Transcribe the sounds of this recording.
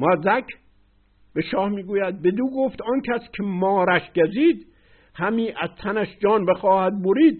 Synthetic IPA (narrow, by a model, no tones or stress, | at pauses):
mɒːzækʰ | b̥eʃɒːhmiːɡuːjæd̪̚bed̪uːɡoft̪ɒːnkʰæskʰemɒːɾæʃɟæziːd̪ | hæmiːʔæzt̪ʰænæʃd͡ʒɒːnbexɒːhæd̪̚boɾiːd̪